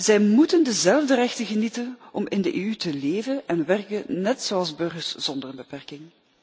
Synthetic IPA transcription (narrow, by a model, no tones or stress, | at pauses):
zɛjmutəndəzɛlˠvdərɛxtəɣənitənʔɔmɪndəʔeːytəleːvənɛnʋɛrkənɛtsoːɑlˠzbɵrɣərsz̥ɔndərəbəpɛrkɪŋ